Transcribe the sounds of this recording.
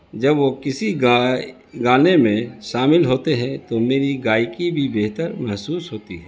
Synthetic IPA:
d͡ʒɐbʋokɪsiɡa | ɡaːnemẽʃaːmɪlɦoːt̪eɦɛ̃t̪omeːɾiɡaːikibʱibeːɦt̪əɾmɛɦsuːsɦoːt̪iɦɛː

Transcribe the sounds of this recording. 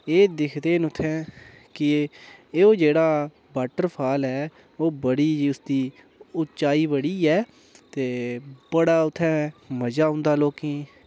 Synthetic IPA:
eːd̪ɪkʰd̪eːnʊt̪ʰːɛ̃ː | kɪː | oːd͡ʒeːɽaː | baːʈəɾpʰaːlɛː | oːbəɽiːd͡ʒiːʊsd̪iː | ʊt͡ʃaːiːbəɽiːɛː | t̪eːbəɽaːʊt̪ʰːɛ̃ːməd͡ʒaːɦʊ̃nd̪aːloːkẽː

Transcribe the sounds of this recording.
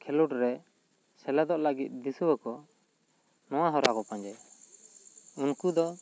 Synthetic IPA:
kʰɛluʈɾɛ | sɛlɛd̪ɔʔləɡit̪̚ˀd̪isuwəkɔ | nɔwaɦɔɾakɔpaɲd͡ʒɛ | unkud̪ɔ

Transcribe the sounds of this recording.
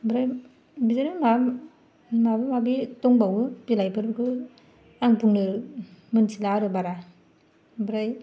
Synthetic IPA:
bɾaj | bizaɾɯma | mabɯmabitɔŋbawɯbilajpʰɯɾbɯkʰɯ | aŋpuŋnɯmɯnsilaɾɯbaɾa | bɾaj

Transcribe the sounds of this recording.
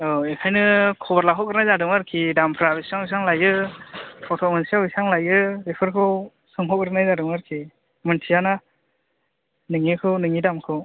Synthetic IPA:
ɔekʰajnɯkʰɔbaɾlaɦɔkɡɯɾnajzadɯŋaɾkʰidampʰɾabisiaŋjs̬aŋlajɯ | pʰɔtʰɔmensiaisaŋlajɯɾipʰɯɾkʰɯw | sɯŋɦʰɔkɡɾɯnajzadɯŋaɾkʰi | mɯntʰijana | nɯŋikʰɯwnɯŋidamkʰɯw

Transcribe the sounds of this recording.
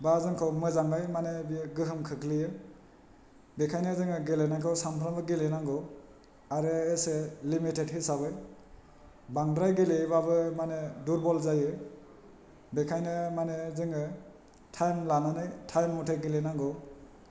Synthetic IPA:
bazɯŋkʰɔwmɯzaŋɡajmanebiɡɯɦɯmkʰɯkʰlijɯ | bekʰajnɯzɯŋɯɡelenakʰɔwsampʰɾambɯɡelenaŋɡɔ | aɾɯeselimitedhisaβɯj | baŋdɾajɡelebaβɯmaneduɾbɔlzajɯ | bekʰajnɯmanezɯŋɯ | tʰajmlananɯjtʰajmːɔtʰeɡelenaŋɡɔ

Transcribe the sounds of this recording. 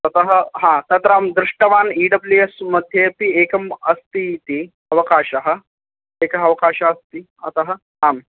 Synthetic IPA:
t̪ɐt̪ɐɦəɦãt̪ɐt̪ɾəamd̪ɾiʂʈɐʋaːniːɖɐbliesmɐd̪ʱjet̪ieːkɐmɐst̪it̪i | ɐʋɐkaːʃɐɦə | ekɐɦɐʋɐkaːʃaɐst̪i | ɐ̰t̪ɐɦə | am

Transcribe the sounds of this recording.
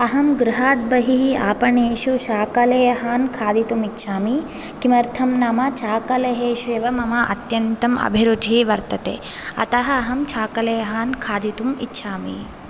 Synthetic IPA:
ɐɦɐmɡɾuɦaːt̪̚bɐɦiɦiaːpɐɳeːʃuʃaːkɐlɐjɐɦaːnkʰaːd̪it̪umitːʃʰaːmi | kimɐɾt̪ʰɐmnɐmɐt͡ʃʰaːkɐlɐɦeːʃʋeːʋɐmɐmɐʔɐ̰t̪jɐnt̪ɐmɐ̰bʱiɾud̪ʱiʋɐɾt̪ɐt̪ḛː | ɐ̰t̪ɐɦɐɐɦɐmt͡ʃʰaːkɐlɐjɐɦaːnkʰaːd̪it̪umḭtːʃʰaːmḭ

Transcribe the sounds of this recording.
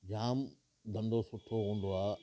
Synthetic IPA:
d͡ʑaːm | d̪ʱɐ̃nd̪osʊʈʰːoɦũːn̆d̪oaː

